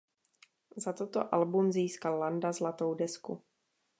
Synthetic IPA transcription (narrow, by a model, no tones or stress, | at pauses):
zat̪ot̪o̰ʔalbumziːskalːandazlat̪o̞wdɛskṵ